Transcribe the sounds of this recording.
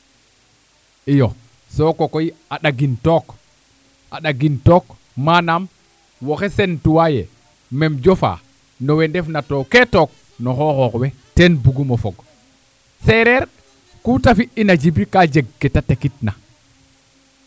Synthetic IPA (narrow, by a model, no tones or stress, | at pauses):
ʔijɔ | sɔkɔkɔjiaɗaɡintɔk | ʔaɗaɡintɔk | manam | wɔxɛsɛntuwajɛ | mɛmd͡ʒɔfa̰ | nɔwɛndɛfnatɔkɛtɔk̚ | nɔxɔxɔkwɛtɛnbuɡumɔfɔɡ | sɛɾɛɾ | kutafiʔinad͡ʒibikad͡ʒeɡːɛtatakit̚na